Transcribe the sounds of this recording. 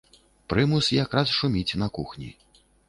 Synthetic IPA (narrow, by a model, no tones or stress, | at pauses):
pɾɨmusjakɾasʂumʲit͡sʲnɐkuxnʲḭ